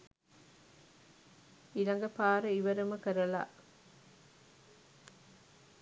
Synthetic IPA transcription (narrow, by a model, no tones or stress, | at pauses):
ilɐŋɡɐpaːɾɐiʋɐɾɐmɐkɐɾɐla̰ː